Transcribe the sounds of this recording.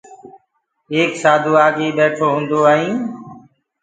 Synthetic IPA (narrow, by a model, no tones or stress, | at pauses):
eːksaːd̪ʱuːaːɡeːɓɛːʈʰoːɦʊ̃ːnd̪oːaːɦĩː